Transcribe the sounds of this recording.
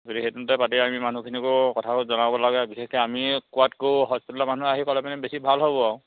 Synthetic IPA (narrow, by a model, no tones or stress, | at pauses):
ɡodixejtuntɛpatiamiman̤ukʰinikʊkɔtʰakozɔnabɔlaɡɛbixeskɔamikuatkoɦɔspitlamanuaɦikɔlɛpanɛbesibʱalɦobɔaʊ̃